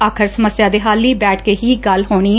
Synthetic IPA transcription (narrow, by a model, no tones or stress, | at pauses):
aːkʰəɾsəməsjaːd̪eːɦaːlːiːbɛːʈʰkeːɦiːɡəlɦoːɽ̃iː